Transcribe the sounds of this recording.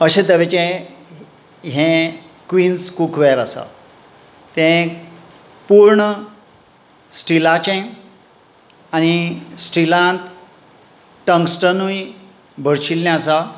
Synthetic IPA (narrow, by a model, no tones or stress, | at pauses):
əɕẽt̪əʋet͡ɕẽ | ɦɛ̃ | kʋiːnskukʰʋeɾasa̰ | t̪ẽ | puɾɳə | sʈilat͡ɕẽ | añisʈilãnt̪ | ʈə̃ŋksʈənuj | bʱəɾɕilnɛ̃asa